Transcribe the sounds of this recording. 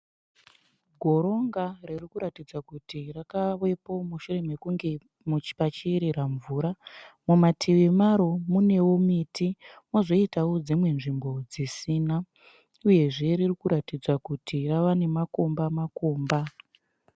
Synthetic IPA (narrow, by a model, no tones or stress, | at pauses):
ɡʱo̞ɾo̞ŋɡaririkuɾatid͡zakutirakaʋwe̞po̞muʃure̞me̞kuŋɡe | mut͡ʃi̥pat͡ʃiɾiɾaɱvuːɾamumatʰiʋimaɾo̞mune̞womitʰimozo̞itawod͡zimwe̞nʐimbo̞d͡zisiːna | uje̞ʐe̞ririkuɾatid͡zakutʰiraʋane̞mako̞mbamakoːmba